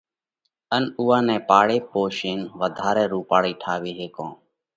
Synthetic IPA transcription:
ənuːãːnɛ̃ːpaːɽeːpoːʃeːnʋəd̪ʱaːɾɛ̃ːɾuːpaːɽiːʈʰaːʋiːɦeːkõ̰ː

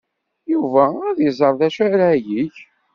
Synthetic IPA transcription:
juvææðjzˤəɾˤðæʃæɾæjiç

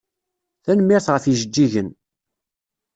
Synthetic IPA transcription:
θænəmːɪɾθʁəfiʒəd͡ʒːiʝən

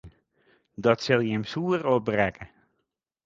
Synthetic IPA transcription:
dɑtsɪlˠjəɛmsuːərɔbrɛkʰə

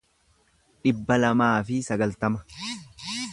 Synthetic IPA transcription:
ᶑɪbːɐlɐmaːfɪsɐɡɐlt̪ɐmɐ̥

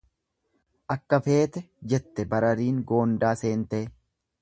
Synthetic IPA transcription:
ʔɐkːɐfe̞ːt̪ɛ | d͡ʒɛt̪ːɛbɐɾɐɾiːŋɡo̞ːnd̪aːse̞ːnt̪eː

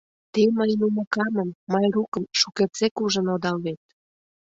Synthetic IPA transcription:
t̪eməjnumə̆kɑmə̆mːɑjrukəmʃuket͡sekuʒə̆nod̪ɑlβet̪̚

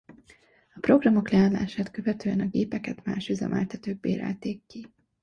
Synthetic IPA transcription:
ɒpro̞ɡrɒmo̞klɛaːnlːa̰ːʃaːt̪køvɛt̪øːɛnɒɡeːpɛkɛt̪ma̰ːʃyzɛ̰mʔɛ̰lt̪ʰɛt̪øːɡ̚beːɾɛ̰lt̪eːkːi

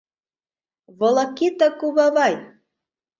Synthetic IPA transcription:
βɤ̆lɤkit̪əkuβɑβɑj

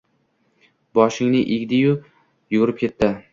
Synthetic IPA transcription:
bɒʃɪŋnɪʔeɡʲd̪ɪjʊ | jʊɡʊɾɪp̚kʲʰe̞t̪ːɪ

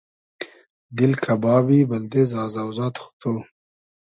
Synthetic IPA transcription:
d̪ɪlkʰabɑːwiband̪eːzɑːzawzɑːt̪xʊ̥t̪ʰo

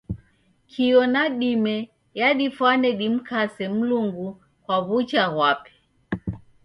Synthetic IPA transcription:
kʰiɔnaɗimɛ | jaɗifwanɛɗim̩kasɛm̩luŋɡu | kwaβut͡ʃaɣwapɛ̥

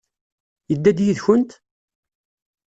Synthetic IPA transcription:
jəd̪ːæd̪jiðçʊnt̪

